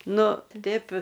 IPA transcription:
ˈnʊ ˈtʲɪpʲ

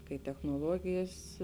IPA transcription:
kɐɪ tʲɛxnoːˈlˠuɔɡʲɪjɛs

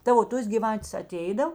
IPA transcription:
ˈtɐ oː ˈtoːs ɡʲɪˈʋɑːtʲeːs ɐˈtʲɛɪdɐw

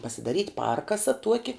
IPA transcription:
pɐsʲɪdɐˈrʲiːtʲ ˈpɐrkɐsɐ ˈtuɔkʲɪ

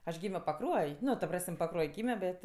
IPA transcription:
ɐʃ ˈɡʲiːmʲoː pɐˈkruɔj ˈnʊ tɐ ˈprɐsʲmʲ pɐˈkruɔj ˈɡʲiːmʲoː ˈbʲɛt

